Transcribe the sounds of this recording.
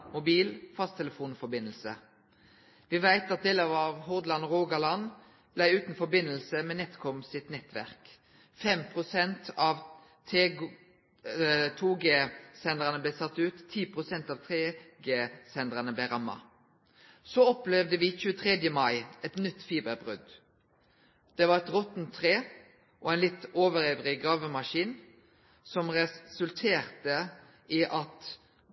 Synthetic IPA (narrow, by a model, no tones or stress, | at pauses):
mʊbiːlfɑst̪ʰɛləfuːnfɔɾbɪnəlsə̰ | ʋɪʋæɪt̪ɑt̪̚d̪eːləɑʋɦʊʁd̪lɑnʁoːɡɑlɑn | b̥læɪʉːt̪n̩fɔɾbɪnəlsəmɛːnɛt̪kʰɔmsɪt̪nɛt̪ʋæ̰ʁk | fɛmpʰʁʊsɛnt̪ʰɑːʋ | t̪ʰeː | t̪ʰuːɡeːsɛnd̪ʁənəblɛːsɑt̪ːʉːt̪ʰːiːpʰʁʊsɛnt̪ɑːʋt̪ʰʁeːɡeːsɛnd̪ʁənəbleːʁɑmːɑ̰ | sɔɔplɛʋd̪əʋɪːçʉːət̪ʰʁɛd̪jəmɑɪɛt̪nʏt̪ːfiːbəbʁʉ̰d̪ | d̪̥ɛʋɑʁɛt̪ʁɔt̪nt̪ʰːʁeː | ʔɔɛɪnlɪt̪ːoːʋəɾɛvʁɪɡʁɑːʋəmɑʃiːn | sɔmʁɛsʉlt̪ʰeːʁt̪ə | ʔiʔɑt̪